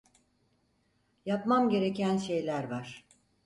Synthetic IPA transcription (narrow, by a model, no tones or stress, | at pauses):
japmamɟe̞ɾe̞cʰænʃe̞jlʲæɾvaɾ̥